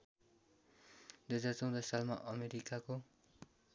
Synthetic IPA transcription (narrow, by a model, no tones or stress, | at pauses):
d̪ujʌd͡zart͡sʌw̃d̪ʌsalmaʔʌmeɾikako